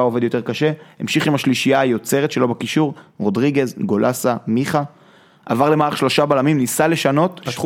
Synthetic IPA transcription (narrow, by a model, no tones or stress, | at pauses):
aove̞djo̞t̪e̞ʁkaʃe̞hemʃiχimaʃliʃijaːjo̞t͡se̞ʁet̪ʃe̞lo̞bakiʃuʁʁo̞dʁiɡe̞zɡo̞lʔasamiχa | ʔa̰vaʁlemaʁaχʃlo̞ʃabalamimnisale̞ʃano̞t